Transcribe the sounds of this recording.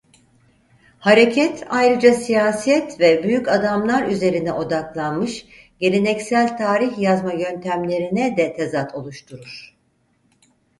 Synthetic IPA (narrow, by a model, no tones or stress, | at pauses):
haɾe̞cʰɛt̪ʰajɾɯd͡ʒasijaːsijɛt̪vɛbyjycad̪amlˠaɾyze̞ɾinɛʔo̞d̪aklˠanmɯʃ | ɟe̞ɾenɛcsælʲt̪ʰaːɾiçjazmajø̞nt̪ʰæmlʲe̞ɾinɛd̪ɛt̪ʰe̞zat̪ʰo̞lˠuʃt̪ʰuɾuɾ̥